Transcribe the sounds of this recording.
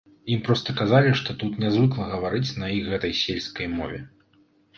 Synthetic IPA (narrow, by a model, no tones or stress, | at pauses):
impɾɔst̪ɐkazalʲiʂt̪ɔt̪ut̪nʲazvɨklˠɐɣɐvaɾɨt͡sʲnɐixɣɛt̪ɐjsʲelʲskɐjmɔ̰vʲɛ̰